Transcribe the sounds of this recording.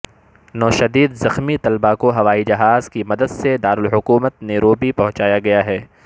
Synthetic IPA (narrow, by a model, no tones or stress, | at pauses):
nɔːʃɐd̪iːd̪zɐxmit̪ɐlbakoɦɐʋaːid͡ʒɐɦaːzkimɐd̪əd̪sed̪aːɾʊlɦʊkuːmət̪neɾoːbipɐ̃ɦʊ̃t͡ʃaːjaɡɐjaɦɛː